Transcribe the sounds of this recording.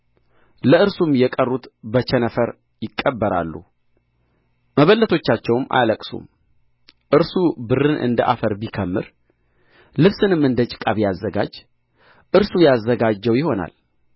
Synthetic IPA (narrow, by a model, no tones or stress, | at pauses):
ləɨɾsumjɛkʼərːut̪bət͡ʃɛnəfəɾ | jɪkʼːəbːəɾa̰lːṵ | məβəlːət̪ʰo̞t͡ʃːat͡ʃːɛwmʔa̰jləkʼsṵm | ʔɨɾsubɨɾɨnʔɨ̰nd̪əʔa̰fəɾbikʰəmːɨ̰ɾ | lɨβsɨnɨmɨnd̪ət͡ʃʼɪ̥kʼaβjazːəɡa̰d͡ʒ | ʔɨɾsujazːəɡad͡ʒːɛwjɪho̞na̰l